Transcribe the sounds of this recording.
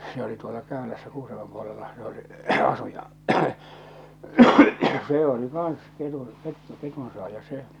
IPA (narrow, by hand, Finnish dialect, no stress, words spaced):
se oli tuolɑ kæˑølæsːæ kuːsɑmom puolelːɑhɑ̃ː se oli ɑsu jɑ seː oli kɑːɑ̃s ketun ketːu ketunsoɑˑjɑ se